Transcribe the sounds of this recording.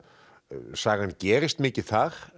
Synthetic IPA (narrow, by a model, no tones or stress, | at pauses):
saːɣancɛːɾɪst̪mɪːcɪθaɾ̥